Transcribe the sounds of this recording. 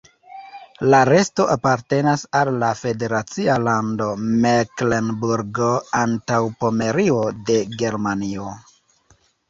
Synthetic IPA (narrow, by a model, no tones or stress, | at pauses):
laɾe̞sto̞ʔapaɾte̞nasalːafe̞de̞ɾat͡sialando̞meklenbuɾɡoantawpo̞me̞ɾio̞de̞ɡe̞ɾmanio